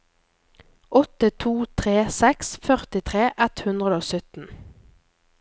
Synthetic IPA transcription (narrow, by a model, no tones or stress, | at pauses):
ʔɔt̪ət̪ʰuːt̪ʰʁeːsɛksfœʁt̪ɪt̪ʰʁeːʔɛt̪hʉnd̪ʁəd̪əoːsœt̪n̩